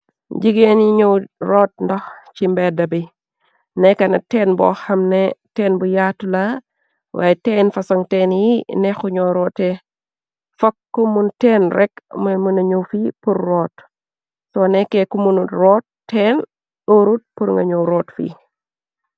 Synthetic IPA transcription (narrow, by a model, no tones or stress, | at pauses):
ɟiɡenjiɲɔwɾɔːt̚ndɔxt͡ʃimbɛdɐbi | nɛkɐnɐtɛnbɔ̰xɐmnɛtɛːnbujatula | wʔa̰ːjɛtɛːnfɐsɔŋtɛːnjinɛxuɲɔɾɔtɛ | fɔkːumuntɛːnrɛkmɐmunɐɲuwfipurːɔːt | sɔnɛkɛkumunurɔːt̚ːɛːn | ɗoɾut̚puɾŋɡɐ̰ɲɔwɾɔːtfḭː